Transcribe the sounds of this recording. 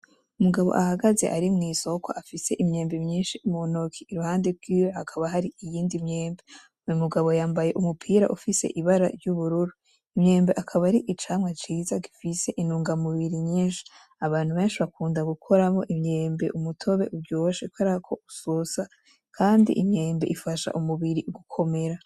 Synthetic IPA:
umuɡaβo̞̰ʔahaɡaze̞ʔaɾimŋiːso̞ko̰ʔafise̞ʔimɲe̞ːmbemɲiːnʃimonokʰiːɾuhaːndeɾɡiːjohakʰaβaɦaɾiijiːndimɲe̞ːmbe | jumuɡaβo̞jaːmbaje̞ʔumupʰiːɾa̰ʔufise̞̰ʔiβaɾaɾjuβuɾuɾu | imɲe̞ːmbe̞ʔakʰaβaɾiʔit͡ʃaːmwat͡ʃiːzaɡifise̞ʔinuːŋɡamuβiɾiɲiːnʃi̥ | aβaːn̥huβe̞ːnʃiβakʰuːndaɡukʰo̞ɾamo̞ʔimɲeːmbe̞̰ʔumutʰo̞βe̞̰ʔuɾɟooʃekwaɾakʰo̞u̥sosa | kʰaːndḭʔimɲe̞ːmbe̞ʔifaʃa̰ʔumuβiɾiʔuɡukʰo̞me̞ɾa

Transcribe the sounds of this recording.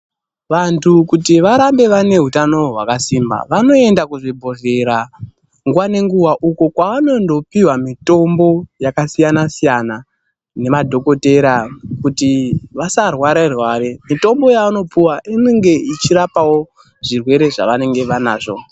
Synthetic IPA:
ʋantʰukutiʋaɾambe̞ʋane̞ɦutano̞ɦwakasimba̰ʋano̞e̞ndakuʐibʱo̞veɾa | ŋɡuwane̞ŋɡuwaʔukokwaano̞ndo̞piwamito̞mbo̞jakasijanasijana | ne̞madʱo̞ko̞te̞ɾakutiʋasarwaɾerwaːɾemito̞mbo̞jaano̞piwaʔineŋɡe̞it͡ʃirapawo̞ | ʐirwe̞ɾe̞ʐa̰ʋane̞ŋɡe̞ʋana̰ːʐo̞̰

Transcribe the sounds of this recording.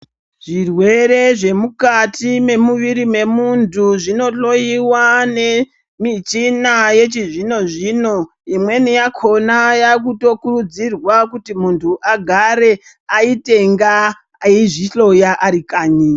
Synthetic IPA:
ʐ̥irwe̞ɾe̞ʐe̞mukatime̞muʋiɾime̞muntuʐino̞ɬo̞jiwane̞ | mit͡ʃinaje̞t͡ʃiʐino̞ʐino̞ | imwe̞nijakʰo̞najakuto̞kurud͡zirwakutimuntʰuʔaɡʱaɾe̞ | aite̞ŋɡa | iʐiɬo̞jaʔaɾikaːɲiːa

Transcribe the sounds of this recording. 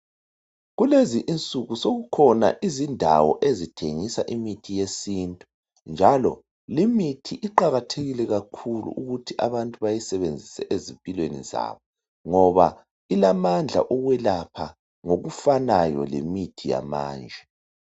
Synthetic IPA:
ɣuleziʔːnt͡sʼuɣusoɣukʰɔna̰ʔizindʱawɔ̰ʔezitʰeŋisaʔimitʰijesintʼu | nd͡ʒʱalɔ | limitʰiʔiǃaɣatʰeɣilɛɣakʰulṵʔuɣutʰiʔaβantʼuβajisɛβend͡zʱisɛʔezimpʼilwenḭza̰ːβɔ | ŋɔβa | ilamand͡ɮʱa̰ʔɔɣwɛlapʰa | ŋoɣufanajɔ̰lḭmitʰija̰ma̰ːnd͡ʒʱɛ

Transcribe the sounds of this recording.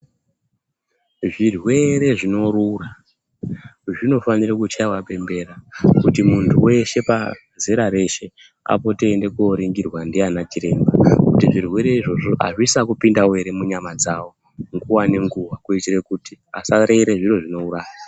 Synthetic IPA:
ʐirwe̞ɾe̞ʐino̞rura | ʐino̞fanirakut͡ʃaiwape̞mbe̞ɾakutimuntʰuwe̞ʃe̞pa | zeɾaɾe̞ʃe̞ | a̰po̞teːnde̞koɾiŋɡirwandianat͡ʃiɾe̞mbakutiʐirwe̞ɾe̞iʐo̞ʐo̞ʔa̰ʐisakupindawe̞ɾe̞muɲamad͡zawo̞ | ŋɡuwane̞ŋɡuwakuitirekutia̰saɾeɾe̞ʐiroʐino̞uraːja

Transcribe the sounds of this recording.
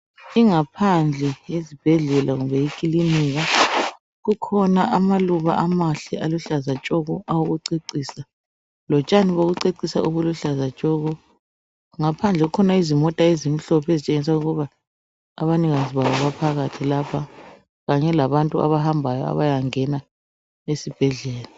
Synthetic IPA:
iŋapʰand͡ɮʱɛezib̥ʱɛɮɛlaɣuβɛjikʼiliniɣa | ɣukʰɔnaʔamaluβa̰ʔamaɬɛaluɬazat͡ʃʼɔɣɔʔawoɣuǀiǀiːsa | lɔt͡ʃʼaniβoɣuǀeǀisa̰ʔuβuluɬazat͡ʃʼɔɣɔ | ŋapʰand͡ɮʱɛɣukʰɔnaizimɔtʼaezim̩ɬɔpʰezit͡ʃʼeŋis̬auɣɔβa̰ː | βaniŋaziβawɔβapʰaɣatʰilapʰa | ɣaɲɛlaβantʼua̰βaɦambʱajɔ̰a̰βajaŋɛna | esib̥ʱɛɮɛːla

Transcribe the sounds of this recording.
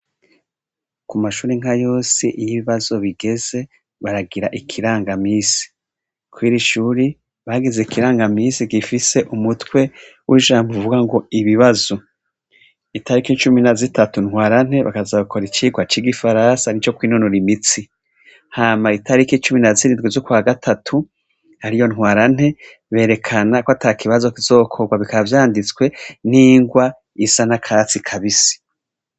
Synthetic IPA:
kumaʃuːɾeŋhajo̞ːsḭʔijiβiβazo̞βiɡe̞ze̞ | βaɾaɡiɾaʔikʰiɾaːŋɡamiːsi̥ | kwiːɾiʃuːɾi | βaːɡize̞ikiɾaːŋɡamiːsiɡifise̞ʔumutwe̞ | wʔiʒaːmbovuɡaŋɡo̞iβiβazo̞ | itaɾikit͡ʃuminazitatunhwaːɾan̥he̞βa̰kazaβakʰo̞ɾit͡ʃiɡwat͡ʃiɡifaɾansanit͡ʃo̞kwiːnonuɾimit͡si | haːmaitʰaɾikit͡ʃuminaziɾindɡezokuwaːɡatʰatʰu | haɾijo̞nhwaːɾan̥he̞ | βe̞ːɾe̞kʰanakoatakʰiβazo̞kiz̥o̞ːkʰo̞ɡwaβikaavjaːndit͡swe̞niːŋɡwa | isanakʰat͡sikʰaβisi̥

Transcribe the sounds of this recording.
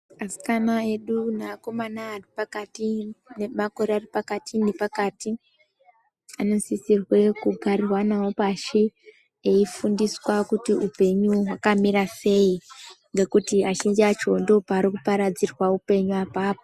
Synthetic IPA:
asi̥kanae̞ɗunako̞manaːripakatinemako̞ɾearipakatʰindepakaːti | ano̞nsisirwe̞kuɡʱarirwanawopaʃi | eifundiswakutiupe̞ɲuɦwakamiɾase̞iŋɡe̞kutiaʃind͡ʒat͡ʃo̞ndo̞paːɾikupaɾad͡zirwaupe̞ɲuapaːpo

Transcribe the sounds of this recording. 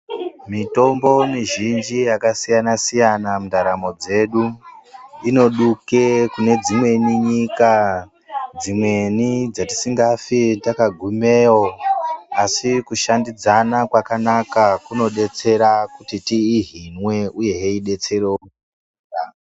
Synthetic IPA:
mito̞mbo̞niʒind͡ʒijakasijanasijanamundaɾamo̞d͡ze̞ɗu | ino̞ɗuke̞kune̞d͡zimwe̞niɲika | d͡zimwe̞nid͡zati̥siŋɡafitakaɡʱume̞ːwoasikuʃandid͡zanakwakanakakuno̞ɗe̞t͡se̞ɾakutitiːɦinwe̞uje̞ɦeiɗe̞t͡se̞reokː | a

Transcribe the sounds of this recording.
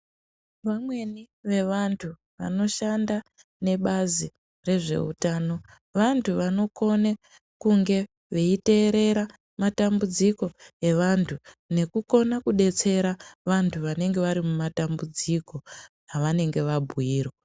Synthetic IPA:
ʋamwe̞ni | ʋe̞ʋantʰu | ʋa̰no̞ʃanda | ne̞ɓazi | re̞ʐe̞̰ṵtaːno̞ | ʋantʰuʋano̞ko̞ne | kuŋɡe̞ | ʋe̞ite̞ːɾe̞ɾa | matambud͡ziko̞e̞ʋantʰune̞kuko̞nakuɗe̞t͡se̞ɾaʋantʰuʋane̞ŋɡe̞ʋaɾimumatambud͡ziko̞ | aʋane̞ŋɡe̞ʋabʱuiːro

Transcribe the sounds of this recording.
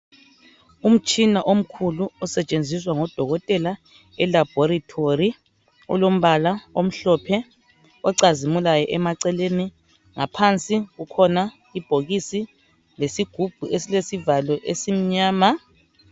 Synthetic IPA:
um̩t͡ʃʼinaʔom̩kʰuluɔsɛt͡ʃʼend͡zʱis̬waŋɔd̥ʱɔɣɔtʼɛla | ɛlab̥ʱɔɾitʰori | ɔ̰lom̩βalaom̩ɬɔpʰɛ | ɔǀazimulajɔʔɛmaǀɛleni | ŋapʰant͡sʼiɣukʰɔna | ib̥ʱoɣisi | lesiɡ̥ʱub̥ʱuesilesivalɔʔesim̩ɲaːma

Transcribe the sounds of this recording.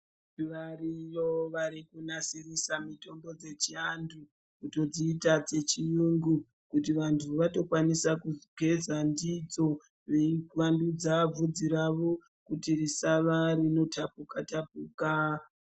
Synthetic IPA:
ʋarijoʋaɾikunasirisamito̞mbo̞d͡ze̞t͡ʃiandu | kuto̞d͡ziːtat͡se̞t͡ʃijuŋɡu | kutiʋantʰuʋato̞kwanisakuzɡʱe̞zandid͡zo̞ | ʋewandud͡zab͡vud͡ziɾaʋo̞ | kutirisaʋarino̞tʰapukatap̚uːka

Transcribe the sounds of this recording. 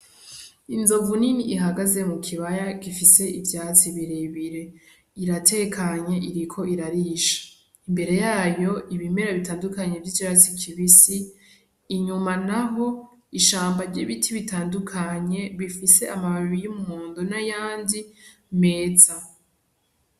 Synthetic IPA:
inzo̞vuniniʔiɦaɡaze̞mukʰiβajakifise̞ivjaːt͡siβiɾeβiɾe̞ | iɾatʰe̞kʰaɲe̞ʔiɾikʰo̞ʔiɾaɾiːʃḁ | imbe̞ɾe̞jaːjo̞ʔiβime̞ɾaβitaːndukaɲe̞vɟit͡ʃiɾat͡sikʰiβisiː | ɲumanaɦo̞ | iʃaːmbaɾɟiβitʰiβitaːndukʰaɲe̞βifise̞ʔamaβaβijimumoːndonajaːndi | me̞ːt͡sa

